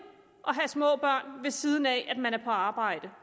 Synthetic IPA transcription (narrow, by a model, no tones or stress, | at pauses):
ʔɒ̽ɦæsmɔ̰̽ːb̥ɶɐ̰nʋe̝sið̞ˠn̩ɛæd̥mænæɐpʰɒ̽ɑ̈ːb̥ɑ̈ɪ̰d̥ə